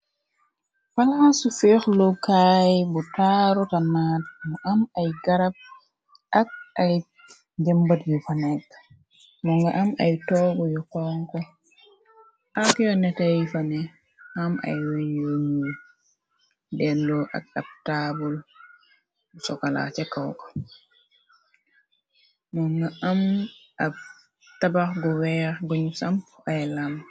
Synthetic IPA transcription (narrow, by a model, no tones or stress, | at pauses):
falhasufexlɔkajbɔtaɾɔtanaːtmɔʔamajɡaɾab̚ | ak̚aj | d͡ʒɛmbatjɔfanak | mɔŋɡaʔama̰jtɔːɡɔjɔkɔŋkɔ | ʔakɛjɔnɛtajifanɛ | hama̰jwɛjoɲu | bɛndɔʔa̰ɗap̚tabɔl | sɔkala̰t͡ʃɛkawkɔ̥ | nɔŋɡaamʔa | tabaɡɔwɛɡɔɲusamajlam